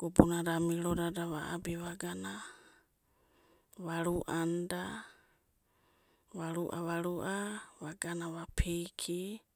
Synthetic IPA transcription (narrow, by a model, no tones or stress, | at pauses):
ɡ̥obunaɾamiɾodadaβaa̰biβaɡana | βaɾuʔanda | βaɾuʔa̰βaɾuʔaβaɡanaβapʰejkʰi